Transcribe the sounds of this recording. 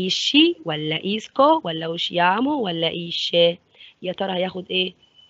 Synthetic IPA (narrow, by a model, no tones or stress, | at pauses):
iːʃːɪwɐlːɐʔiːskɔwɐlːɐʊʃjaːmʊwɐlːɐʔiːʃːɛ | jɐt̪ɔɾɐjɐxʊd̪ʼe